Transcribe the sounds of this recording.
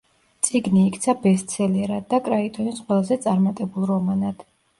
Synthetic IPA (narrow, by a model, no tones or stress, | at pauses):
t̪sʼiɡniːkʰt̪sʰabɛst̪sʰɛlɛɾad̪̚ːakʼɾait̪ʼɔnisqʼwɛlˠazɛt̪sʼaɾmat̪ʼɛbulˠɾɔmanad̪̥